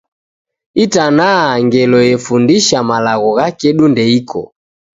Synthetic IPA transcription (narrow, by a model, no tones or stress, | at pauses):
itanaːŋɡɛlɔjɛfundiʃamalaɣɔɣakɛɗundɛikʰɔ̰